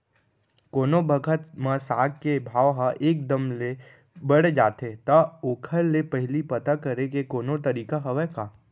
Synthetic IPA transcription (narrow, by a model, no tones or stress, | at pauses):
koːnobʱəɡʱət̪mãsaːɡ̚kebʱaːʋɦaʔeːk̚d̪əmle | bəɽd͡ʒaːt̪et̪ɐoːkʰəlːepəɦɪlipɐt̪akəɾekekoːnot̪əɾiːkaɦɐʋɛkaː